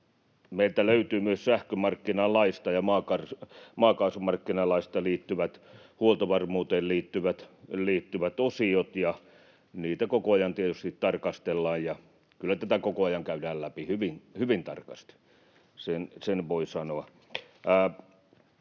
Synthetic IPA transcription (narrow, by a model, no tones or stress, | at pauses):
meilt̪æløyt̪yːmyøssæhkømɑrkːinɑlɑist̪ɑjɑmɑːkɑrsmɑːkɑːsumɑrkːinɑlɑist̪ɑliːt̪ːyʋæt̪ | huolt̪ɑʋɑrmuːt̪eːlliːt̪ːyʋæt̪liːt̪ːyʋæt̪osiot̪jɑ | niːt̪ækokoɑjɑnt̪iet̪yst̪it̪tɑrkɑst̪elːɑːjjɑ | kylːæt̪æt̪ækokoɑjɑŋkæydæːllæpihyʋinhyʋint̪ɑrkɑst̪ | sensenʋoisɑnoɑː